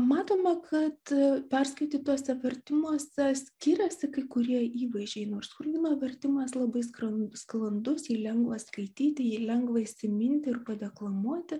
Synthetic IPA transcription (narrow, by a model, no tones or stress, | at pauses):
mɑːt̪oːmɐkʰɐt̪pʲɛrskɐɪt̪ʲɪːt̪uɔsʲɛʋʲɛrʲt̪ʲɪmuɔsʲɛsʲkʲɪɾʲɛsʲɪkɐɪkʊɾʲiɛiːʋɐɪʒʲɛɪnoːrskʊrʲdʲiːnoːʋʲɛrʲt̪ʲɪmɐslˠɐbɐɪskɾɐsklˠɐnd̪ʊsjiːlʲɛŋɡʋɐskɐɪt̪ʲiːt̪ʲɪjiːlʲɛŋɡʋɐɪsʲɪmʲɪnʲt̪ʲɪɪrpɐd̪ʲɛklˠɐmuɔt̪ʲɪ